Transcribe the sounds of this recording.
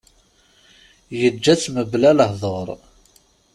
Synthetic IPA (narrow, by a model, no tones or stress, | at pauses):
jəd͡ʒːæt͡sːməblæləhðˤəɾˤ